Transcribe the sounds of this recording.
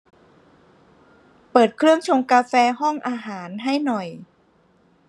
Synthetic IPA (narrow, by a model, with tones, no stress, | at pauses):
pɤː˨˩t̪̚kʰɾɯ˥˩əŋt͡ɕʰo˧mkaː˧fɛː˧ɦɔ˥˩ŋʔaː˧ɦaː˩˦nɦa˥˩jnɔ˨˩j